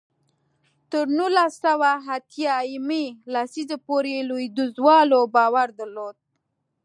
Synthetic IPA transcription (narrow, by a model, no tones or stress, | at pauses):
t̪əɾnulasawaɦat̪jɑimelasizapoɾelojd̪uzwɑlobɑwaɾd̪əɾlod̪̚